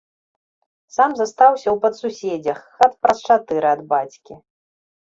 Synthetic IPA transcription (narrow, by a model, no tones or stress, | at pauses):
samzɐst̪awsʲɐwpɐt̪susʲed͡zʲɐxxat̪̚pɾɐst͡ʂat̪ɨɾɨɐd̪bat͡sʲkʲi